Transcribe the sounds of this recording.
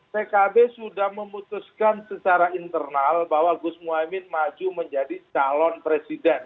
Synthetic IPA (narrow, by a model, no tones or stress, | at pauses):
pekabesudahməmut̪uskansət͡ʃaɾaint̪ərnalbawaɡʊsmuamɪnmad͡ʒuməɲd͡ʒadit͡ʃalɔnpɾesidɛn